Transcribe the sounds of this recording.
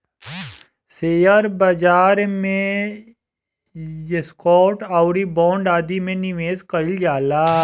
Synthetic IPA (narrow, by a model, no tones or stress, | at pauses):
seːjəɾbɐd͡ʒaːɾmẽ | jeskɔːʈaʊɾibɔ̃ːɳɖaːd̪imẽnɪʋeːskəɪld͡ʒaːlaː